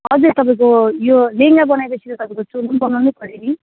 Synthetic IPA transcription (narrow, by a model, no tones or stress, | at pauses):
ɦʌd͡zʌɾt̪ʌp̬aĩk̬ojoleŋɡabʌnajbʌsʰiɾʌt̪ʌpaĩkot͡sulunbʌnawnepʰʌɾeni